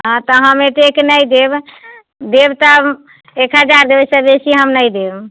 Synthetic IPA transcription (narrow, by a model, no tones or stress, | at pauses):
ɦãt̪ɔɦəmeʈ̪eknəjd̪eb | d̪ebt̪ə | ekɦəd͡ʒaɾd̪ebəsəbesiɦəmnəjd̪eb